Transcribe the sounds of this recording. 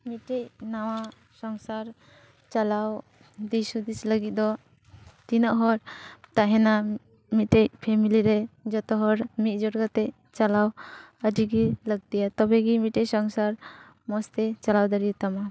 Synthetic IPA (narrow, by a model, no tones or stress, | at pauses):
mitejnawa | sɔŋsaɾ | t͡ʃalaw | d̪isud̪islaɡit̚d̪ɔ | t̪inaʔɦɔɾt̪aɦena | mitejpʰemiliɾed͡ʒɔt̪ɔɦɔɾmit̚d͡ʒɔɾɡat̪ej | t͡ʃalawadiɡilaɡ̚d̪ijat̪ɔbeɡimitejsɔŋsaɾ | mɔst̪et͡ʃalawd̪aɾit̪ama